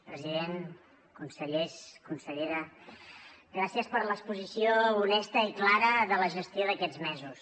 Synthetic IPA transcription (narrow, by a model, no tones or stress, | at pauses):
pɾəziðeŋ | kunsəʎeskunsəʎeɾə | ɡɾasiəspəɾləkspuzisiounɛst̪əiklaɾəðələʒəst̪joðəkɛd͡zmɛzus